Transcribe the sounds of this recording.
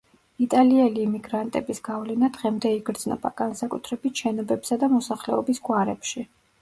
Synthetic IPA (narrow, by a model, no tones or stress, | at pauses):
it̪ʼaliɛliːmiɡɾant̪ʼɛbisɡ̥avlɛnad̪ʁɛmd̪ɛiɡɾd̪znɔ̰ba̰ɡ̥ansakʼut̪ʰɾɛbit̪ʃɛnɔbɛpsad̪amɔsaχlɛɔbisɡwaɾɛ̰pʃi